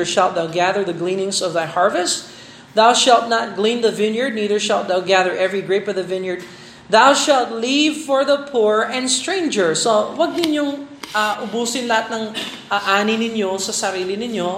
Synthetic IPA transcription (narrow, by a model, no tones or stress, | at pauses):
əɹʃalˠt̪̚ðawɡæðəɹðɐɡlĩːnɪ̃ŋsɔvðajhɑɹvɛst | ðawʃalˠt̪̚nat̪̚ɡlĩnðəvɪ̃njə˞d̪̚niːðə˞ʃalˠt̪̚ðawɡæðəɹʔɛvɹiɡɹeɪpɔvðəvɪ̃njəɹd̪̚ | ðawʃalˠt̪livfɔɹðəpʰuɹɛ̃nd̪st̪ɹẽɪ̃nd͡ʒə˞sowɐɡ̚nɪnjoŋ | aʔʊbuːsɪ̃nlɐhat̪̚nɐŋʔaʔaːninɪnjosɐsɐɾiːlɪnɪnjo